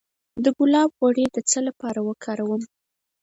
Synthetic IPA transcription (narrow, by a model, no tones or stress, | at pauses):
d̪əɡʊlɑbɣwaɽed̪ət͡səlapɑɾawəkʰɑɾawəm